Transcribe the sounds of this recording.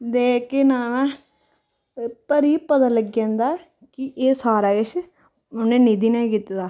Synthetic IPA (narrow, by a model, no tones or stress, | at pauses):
d̪eːkeːnaːmɛ̃ | pəɾiːpət̪aːləɡjãːnd̪aː | kɪʔeːsaːɾaːɡɪʃʰ | ʊnẽːniːd̪iːnɛ̃ːkit̪ːd̪aː